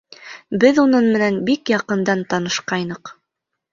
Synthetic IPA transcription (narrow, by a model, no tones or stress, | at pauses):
bɘðunɤnmɘ̆nænbikjɑqɤ̆nd̪ɑnt̪ɑnɤ̆ʃqɑjnɤ̆q